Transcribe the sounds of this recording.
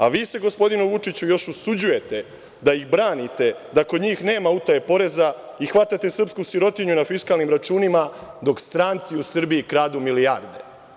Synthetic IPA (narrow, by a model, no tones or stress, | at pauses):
aʋiːse̞ɡo̞spo̞d̪inuʋut͡ʂit͡ɕujo̞ʃusud͡ʑuje̞t̪e̞ | d̪ajixbɾaːnit̪e̞d̪akod̪ɲiːxne̞ːmaut̪ajepo̞ɾe̞za | ixʋat̪at̪e̞sr̩pskusiɾo̞t̪iɲunafiskalˠnimɾat͡ʃuːnimad̪o̞kst̪ɾaːnt̪siusr̩biikɾaːd̪umiliaɾd̪e